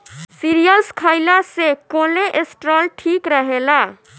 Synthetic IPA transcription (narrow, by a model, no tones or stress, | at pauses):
siɾijəlskʰaɪlasekoleʔesʈɾɔlʈʰikɾəɦela